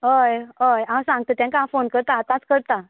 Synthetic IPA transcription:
ɦəjɦəjãmsãŋɡ̚t̪ət̪jãkãfonkəɾt̪aːt̪ãt͡skəɾt̪a

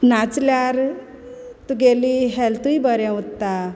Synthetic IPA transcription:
nat͡sljaɾ | t̪uɡeliɦɛlt̪uibəɾɛ̃ut̪ːa

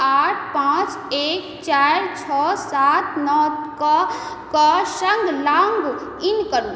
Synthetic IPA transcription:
aːʈʰpãːt͡ʃ | eːkt͡ʃaːɾt͡ʃʰɔːsaːt̪̚ʰnɔːka | kasəŋɡlaːŋɡ | ɪnkəɾu

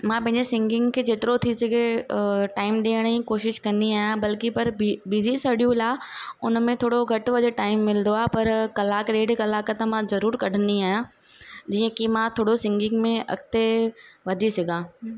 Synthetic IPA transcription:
mãːpɐ̃ɦɪ̃ɲd͡ʑesɪ̃ŋɡɪ̃ŋɡkʰeːd͡ʑeːt̪ɪɾot̪ʰisɐɡʱeʈaːɪmɗiːəɽ̃ĩkoːʃɪʃkɐ̃nd̪iaːɦjãbɐlkipɐɾbizisɐɗijũlaːʊnmẽt̪ʰoːɽoɡʱɐʈʋɐd̪ʱeʈaːɪmːɪld̪oaːɦpɐɾkɐlaːkɾeːɖkɐlaːkət̪ɐmãzɐɾuːɾkɐɖ̤ʱə̃nd̪iaːɦjã | d͡ʑiːə̃kimãt̪ʰoːɽosɪ̃ŋɡɪ̃ŋɡmẽʔɐ̰kt̪eʋɐd̪ʱisɐɡʱãː

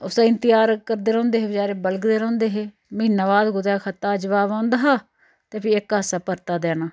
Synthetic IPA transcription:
ʊsaːɪnt̪ɪjaːɾkəɾd̪eːɾõːnd̪eːɦeːbəd͡ʒaːɾeːbəlɡd̪eːɾə̃ːnd̪eːɦeː | məiːnaːʋaːd̪ɡʊd̪aːkʰət̪aːd͡ʒəʋaːbãːʊnd̪aːɦaː | t̪eːpʰiːɪkasaːpəɾt̪aːd̪ɛːnaː

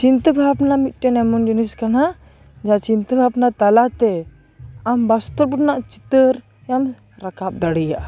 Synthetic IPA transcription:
t͡ʃint̪əbʱabnamit̪̚ˀʈɛnɛmɔnd͡ʒiniskana | d͡ʒat͡ʃint̪əbʱabnat̪alat̪ɛ | ambast̪ɔɾbuʈnaʔt͡ʃi̥t̪əɾ | jam | ɾakap̚d̪aɽija̰ʔ

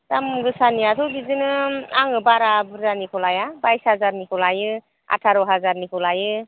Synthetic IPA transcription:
tamɡɯsaniatʰɔbizɯnɯaŋɯbaɾabɯɾzanikʰɔlajabajsazaɾnikʰɔlajɯ | a̰tʰaɾɔɦazaɾnikʰɔlajɯ

